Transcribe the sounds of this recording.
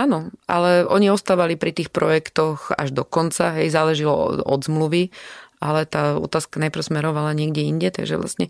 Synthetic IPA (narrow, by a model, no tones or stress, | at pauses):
aːnɔalɛʔɔɲiɔst̪aːʋalipɾit̪iːxpɾɔjɛkt̪ɔxa̰ʒd̪ɔkɔnt͡saɦɛjzaːlɛʒilɔ̰ɔ̰d̪zmluʋiʔalɛt̪aːɔ̰t̪aːskanajpɾ̩ʊsmɛɾɔʋalaɲɪɛɡɟɛiɲɟɛt̪a̰ɡʒɛ̰ʋlʔa̰sɲɛ